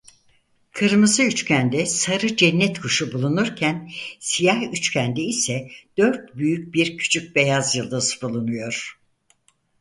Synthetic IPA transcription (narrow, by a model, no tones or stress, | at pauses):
kʰɯɾmɯzɯyt͡ʃcʰænd̪ɛsaɾɯd͡ʒɛnːɛt̪kʰuʃubulˠunuɾcʰænsijahyt͡ʃcʰænd̪ɛisɛd̪̥ø̞ɾt̪̚byjyc̚biɾcʰy̥t͡ʃʰyc̚be̞jazjɯlˠd̪asɯbulˠunujo̞ɾ̥